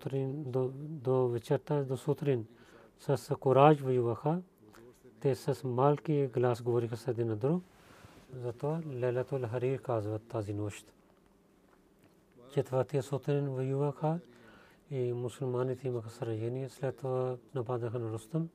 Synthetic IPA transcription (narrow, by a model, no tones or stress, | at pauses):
t̪ɾind̪d̪oʋɪt͡ʃɐɾt̪ɐd̪osut̪ʰɾin | sɐskoɾaːd͡ʒʋɐjuʋɐkʰa | t̪esɐsmaːlkiɡlaːsɡoːɾikʰɐsɐd̪inɐd̪ɾu | zɐt̪ʋɐlelɐt̪olɦɐɾiːɾkaːzʋɐt̪ːaːzinoːʃt̪ | t͡ʃet̪ʰʋɐt̪ʰiɐsot̪ɾinʋɐjuʋɐkʰa | imusəlmaːnit̪ʰimɐkʰɐsɐɾɐjɐniɐslet̪ʰʋɐnɐpaːd̪ɐkʰɐnɾust̪ɐm